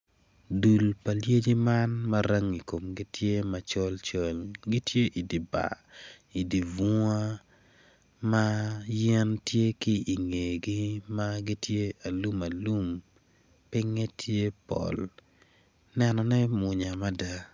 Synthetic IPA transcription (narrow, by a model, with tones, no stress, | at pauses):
du˨lpa˨lje˦d͡ʒi˦ma˦nmɐ˦ɾa˦ŋi˨ko˨mɡi˦tje˦mɐ˨t͡ʃɔ˦lt͡ʃo˨lɡi˦tje˦ʔi˨di˨ba̰˨ | i˨di˨vu˦a˦ | ma˦jɛ˦ntje˦ki˦i˨ŋe˨ɡi˦ma˦ɡi˦tje˦a˨lu˦ma˨lu˦m | pɪ˦ŋɛ˦tʰje˦pɔ̰˨l | nɛ˦nɔ˨nɛ˦mʊ˨ɲa˨ma˦da˦